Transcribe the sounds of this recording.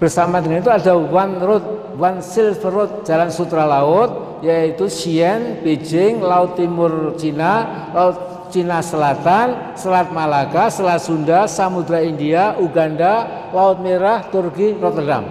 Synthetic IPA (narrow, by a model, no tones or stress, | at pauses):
b̥ərsamadəŋanit̪uada̤wanɾʊt̪̚ | wansɪlfəɾʊt̪̚d͡ʒ̥alansut̪ɾalaʊt̪̚ | jait̪uʃiɛnb̥ed͡ʒɪŋlaʊt̪ːimʊrt͡ʃina | laʊt̪̚ | t͡ʃinasəlat̪an | səlat̪̚malakasəlat̪sundasamud̪ɾaindiaʔuɡanda | laʊt̪̚meɾaht̪ʊrkiɾɔt̪əda̰m